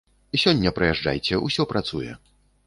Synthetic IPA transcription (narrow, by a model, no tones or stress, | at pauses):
sʲɔnʲːɐpɾɐjɛʐd͡ʐa̰jt͡sʲɛusʲɔpɾʔat̪sujɛ̰